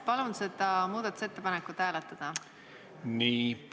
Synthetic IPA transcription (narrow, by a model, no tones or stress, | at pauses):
pɑlunse̞d̪ɑmuːd̪ɑt̪ːˑu̥se̞t̪ːepɑnekːˑut̪ːhæːlet̪ːˑɑd̪̥ɑ | niːp